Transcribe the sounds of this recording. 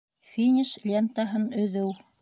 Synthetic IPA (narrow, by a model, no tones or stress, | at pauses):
fʲinʲiʃlʲent̪aɦɤnɵ̆ðɘw